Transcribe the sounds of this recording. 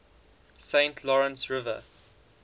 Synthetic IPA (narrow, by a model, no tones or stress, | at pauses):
sẽɪ̃ntʰlɔɹə̃nsɹɪvə̰